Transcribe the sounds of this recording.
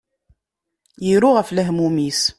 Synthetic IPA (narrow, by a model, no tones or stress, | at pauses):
jiɾʊʁəflæɦmumis